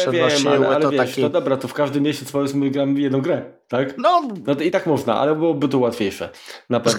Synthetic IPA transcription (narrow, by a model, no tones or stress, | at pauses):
vjɛma̰ɛalɛvʲjɛʂɔd̪ɔbɾat̪ɔfkaʐd̪ɘmʲːeɕt͡ɕɛt̪sfɔjɛsmɘɡɾamvjɛd̪nɔ̃w̃ɡɾɛt̪aknɔnɔtit̪akmɔʐna̰ʔa̰lɛbɨwɔbɘt̪ɔwat̪fʲjejʂɛ̰napɛvn